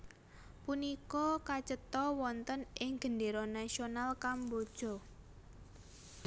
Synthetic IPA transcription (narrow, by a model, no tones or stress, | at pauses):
punikɔkat͡ʃət̪ɔwɔnt̪ənɪŋɡ̥əndeɾɔnasionalkambod̥ʒ̥ɔ̤